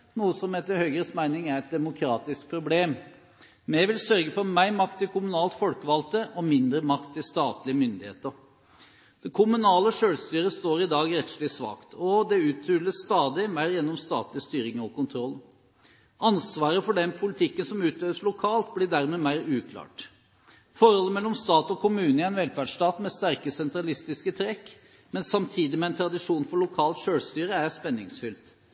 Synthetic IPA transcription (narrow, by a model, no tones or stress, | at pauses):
nuːəsɔmɛt̪ːəɾhœʏɡɾəsmæɪnɪŋæɾɛt̪̚d̪ɛmʊkʰɾɑːt̪ɪsk̚pʰɾʊbleːm | mɛʋɪlsœɾɡəfɔɾmæɪɾmɑkt̪ʰːɪlkʰʊmʉnɑːlt̪fɔlkəʋɑlt̪əʔɔmɪnd̪ɾəmɑkt̪ʰːɪlst̪ɑːt̪lɪəmʏnd̪ɪhḛːt̪əɾ | d̪̥ɛkʰʊmʉnɑːləʂøːlst̪yːɾəst̪oːɾɪd̪ɑːɡɾɛt̪slɪsʋɑ̰ːkt̪ʰɔd̪ɛʉːt̪ʰɾyːlːəsːt̪ɑːd̪ɪmæɪɾjɛnːɔmst̪ɑ̰ːt̪lɪəst̪yːɾɪŋəɔkʰʊnt̪ʰɾɔlː | ʔɑnsʋɑːɾəfɔɖɛnpʰʊlɪt̪ʰɪkːənsɔmʉːt̪øːʋəsɭʊkʰɑːlt̪blɪɖæɾmɛmæɪɾʉːkʰlɑ̰ːʈ | fɔɾhɔlːəmɛlːɔmst̪ɑːt̪ɔkʰʊmʉːnəɪæɪnʋɛlfæɖʂʈɑːt̪mɛst̪æɾkəsɛnt̪ɾɑlɪst̪ɪskət̪ʰɾɛkː | mɛnsɑmt̪ʰiːd̪ɪmɛɛnt̪ʰɾɑd̪ɪʂuːnfɔɭʊkʰɑːlt̪ʂøːlst̪yːɾəæɾspɛnːɪŋsfʏlt̪